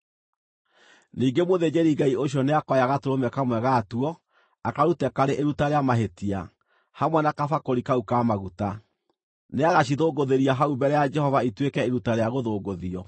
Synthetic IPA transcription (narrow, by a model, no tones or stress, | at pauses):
niːɡemoðed͡ʑeɾiɡaioɕ̬jɔneakɔjaɣatoɾomɛkamwɛɣatuɔ | akaɾutɛkaɾeʔeɾutaɾeamaɦetia̰ | hamwɛnakafakoɾikaukamaɣuta | neaɣaɕiðoːɡoðeɾiaɦaubɛɾɛjad͡ʒɛhɔvaitwekɛeɾutaɾeaɣoðoːɡoðiɔ